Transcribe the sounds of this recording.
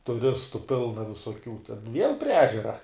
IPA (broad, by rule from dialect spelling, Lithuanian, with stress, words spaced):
tʊˈrʲɪstʊ ˈpʲɪlˠnɐ ʋʲɪsoːˈkʲuː ʋʲiɛlˠ pʲrʲiɛ ˈæːʒʲɛrɐ